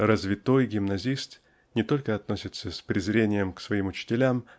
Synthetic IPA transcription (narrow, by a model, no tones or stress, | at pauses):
rəzvʲɪt̪o̞jɡʲɪmnɐzʲist̪ | nʲɪt̪o̞lʲkəɐt̪no̞sʲɪt̪səsʲpɾʲɪzɾʲenʲɪjəmksvɐimʊt͡ɕɪ̥tʲɪlʲam